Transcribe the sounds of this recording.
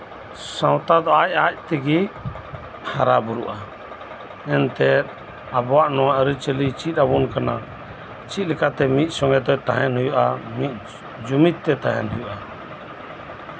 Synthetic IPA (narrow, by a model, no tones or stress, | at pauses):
sãwt̪ad̪ɔac̚ac̚t̪ɛɡi | haɾabuɾṵʔa | ɛnt̪ɛ | abɔwaʔnɔwaʔəɾit͡ʃəlit͡ʃit̪̚abunkana | t͡ʃit̪̚ˀlɛkat̪ɛmit̪̚ˀsɔŋɡɛt̪ɔt̪aɦɛnɦujɔʔamit̪̚ˀ | d͡ʒumit̪ːɛt̪aɦɛ̰nɦujuʔa